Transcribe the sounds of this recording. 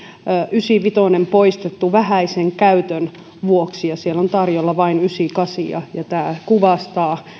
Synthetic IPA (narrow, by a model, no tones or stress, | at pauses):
ʔysiˑʋit̪onempoist̪et̪ːuʋæhæiseŋkæyt̪øn | ʋuoksijɑsielont̪ɑrjolːɑʋɑinysikɑsiɑ̰jɑt̪æːkuʋɑst̪ɑː